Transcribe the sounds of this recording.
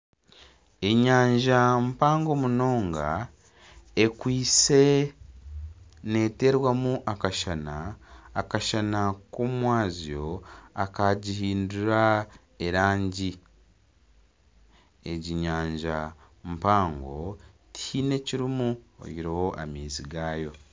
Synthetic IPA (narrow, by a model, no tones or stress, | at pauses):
e̞ɲaːɲʒam̩paːŋɡo̞muno̞ːŋɡa̰ | ekwiːt͡se̞ | ne̞ːte̞ɾwamuʔakaʃanaːkaʃanakumwaːzijo̞akaɟihiːnduɾa | eɾaːɲɟi | eɟiɲaːɲʒa̰ | mpaːŋɡo̞̰tʰine̞ciɾimuo̰jiɾoho̞ʔa̰miːziɡaːjo̞